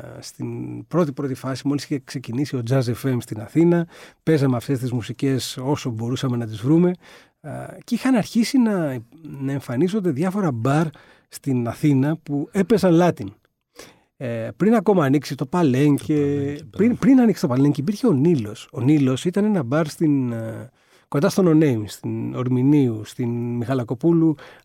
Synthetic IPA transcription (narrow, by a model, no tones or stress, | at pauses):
st̪inpɾo̞t̪ipɾo̞t̪ifɐsimo̞lisiçekse̞cinisio̞d͡zɐzefemst̪inɐθinɐpe̞zɐmeɐft̪e̞st̪izmusice̞so̞so̞bo̞ɾusɐme̞nɐt̪izvɾume̞ | cixɐnɐɾçisinɐnɐe̞ɱfɐniso̞nd̪eðʝɐfo̞ɾɐbɐɾ | st̪inɐθinɐpue̞pe̞sɐnlɐt̪in | pɾinɐko̞mɐːniksit̪o̞pɐle̞ŋcepɾinpɾinɐniksi̥t̪opɐleɲceip̬iɾçeo̞nilo̞so̞nilo̞sit̪ɐne̞nɐbɐɾst̪in | kond̪ɐst̪ono̞ne̞jmst̪ino̞ɾminiust̪inmixɐlɐko̞pulu